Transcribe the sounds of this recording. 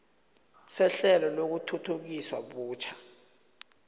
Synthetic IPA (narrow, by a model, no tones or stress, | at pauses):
sɛɬɛlɔlok̬utʰutʰuk̬iswaɓuːt͡ʃʰḁ